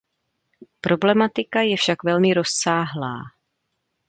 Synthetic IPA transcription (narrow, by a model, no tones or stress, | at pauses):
pɾʔo̞blɛmat̪ɪkajɛfʃakvɛlmɪɾo̞sːaːɦla̰ː